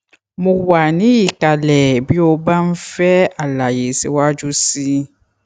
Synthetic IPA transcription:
mũ˨wa˨nĩ˦ji˨ka˨lɛ˨bi˦o˦ba˦m̩˦fɛ˦a˨la˨je˨sḭ˨wɔ˦a˦d͡ʒu˦si˦

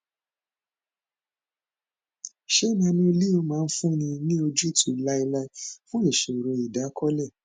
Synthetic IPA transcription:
ʃe˦nã˧nĩ˦o˧li˦o˧˦mãː˨˦˧n̩˦fũ˦nĩ˧nĩ˦o˧d͡ʒu˦tʰu˧˨la˦i˧la˦fũ˦e˦˨ʃe˨ɾõ˧i˨da˨˦kʰɔ˦lɛ˦˨

